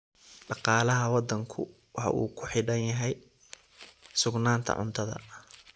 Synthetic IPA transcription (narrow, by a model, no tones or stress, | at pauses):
ɖɑqɑːlɐɦɐwɑd̪ːɐŋkʰʊ̰ | wɑħɑ̰ʔṵːkʰʊħɪɖɐnjɐɦɛj | sʊɡnaːnt̪ʰɐ̰ʕʊ̰nt̪ʰɐðɐ̰